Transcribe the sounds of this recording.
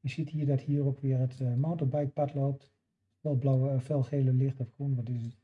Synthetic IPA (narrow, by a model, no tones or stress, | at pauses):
əsithiːdɔthiːrokʋɪərətmantəbɛjk̚patloːp̚t | fɛlˠblawfɛlˠxeːləlɪxtɔfɡrunʋɔtɪs